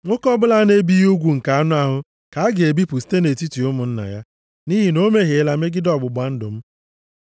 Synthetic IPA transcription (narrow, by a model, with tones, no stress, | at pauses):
ŋʷo˦kɔ˦bʊ˦la˦ne˦bi˦ju˦ɡʷu˨ŋ̩˨ka˨a˦nʊ˦a˦ɦʊ˦ | ka˨a˦ɡe˨bi˦pʊ˨si̥˦te˦ne˨ti˦ti˨ʊ˦mʊ˨n̩˦na̰˨ja˦ | ni˦ɦi˨no˦me˦ɦe˨˦˨la˨me˦ɡɪ˦dɔ˨bʊ˨ba˨˦n̩˦dʊ̰˨m̩˦